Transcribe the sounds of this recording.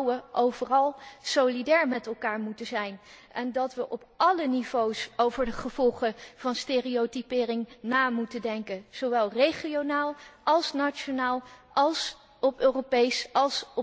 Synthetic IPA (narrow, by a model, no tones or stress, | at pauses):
wəʔowvərɑlˠsowlidɛːɹmɛtɛlˠkaːɹmutəzɛjnʔɛndɑtʋəʔɔpʔɑlənivowsowvəɹdəχəv̥ɔlˠχəv̥ɑnsteːriotipɪːrɪŋnaːmutəndɛŋkənz̥oʋɛlˠrejχionaːlˠʔɑlˠsnat͡ʃonaːlˠʔɑlˠs | ɔpøːropejsɑlˠsɔ